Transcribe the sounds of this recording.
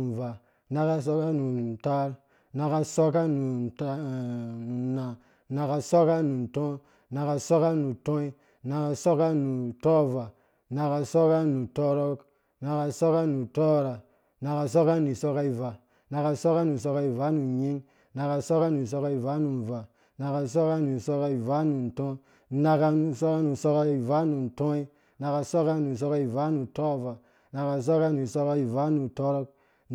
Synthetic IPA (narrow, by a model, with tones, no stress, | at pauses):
n˨va˨ | na˦ka˦so˦ka˦nu˨ta˦ɾ | na˨ka˦so˦ka˦nu˨˦ | nu˨na˨ | na˨ka˧so˦ka˦nu˨n˨tɔ̃˦ | na˨ka˧so˦ka˦nu˨tõ˦i˦ | na˨ka˧so˦ka˦nu˨tɔ˦va˨ | na˧ka˧so˦ka˦nu˨to˦ɾo˦k | na˧ka˧so˦ka˦nu˨to˦ɾa˨ | na˨ka˨s̬o˦ka˦nu˨so˦ka˦i˨va˨ | na˨ka˨so˦ka˦nu˨s̬o˦ka˦i˨va˨˦nu˨ɲi˦ŋ | na˨ka˨so˦ka˦nu˨s̬o˦ka˦i˨va˨˦nu˨n˨va˨ | na˨ka˨s̬o˦ka˦nu˨so˦ka˦i˨va˨˦nu˨n̩˨tõ˦ | na˨ka˧nu˨so˦ka˦nu˨so˦ka˦i˨va˦nu˨n̩˨tõ˦i˦ | na˨ka˨so˦ka˦nu˨so˦ka˦i˨va˦nu˨to˦˨va˨ | na˨ka˨s̬o˦ka˦nu˨so˦ka˦i˨va˨˦nu˨to˦ɾo˦k̚